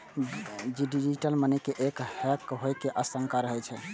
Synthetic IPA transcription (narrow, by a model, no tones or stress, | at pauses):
d͡ʒiɖid͡ʒiʈəlmənɛkeʔekhɛkɦojkeʔəsəŋkaɾəɦɛt͡ʃʰɛ